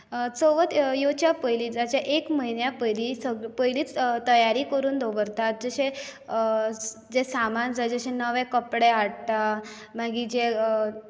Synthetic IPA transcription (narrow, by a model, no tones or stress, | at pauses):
t͡soʋət̪jot͡ɕjapəjliːd͡zat͡ɕaʔekməɦinjapəjlisəɡpəjliːt͡st̪əjaɾiːkəɾuːnd̪ʱobəɾt̪at̪̚d͡zəɕẽ | d͡zesamand͡zajd͡zəɕẽnəʋɛ̃kəpɽeaɽt̪a | maɡiːd͡ʑe